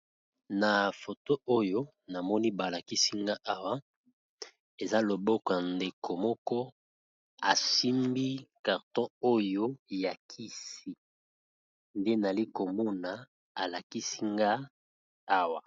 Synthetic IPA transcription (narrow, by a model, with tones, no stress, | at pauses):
na˨fo˨to˦o˦jo˦ | na˨mɔ˦ni˦ba˨la˨ki˦si˦ŋɡa˦ʔa˦wa˦ | e˨za˦lo˨bɔ˦kɔ˨ja˨nde˨ko˨mɔ˦kɔ˦ | a˨si˦mbi˦ka˨ʁtɔ̃˦o˦jo˦ja˨kʰi˦si˦ | nde˦na˨li˦ko˨mɔ˦na˨ | a˨la˨ki˦si˦ŋɡa˦ | a˦wa˨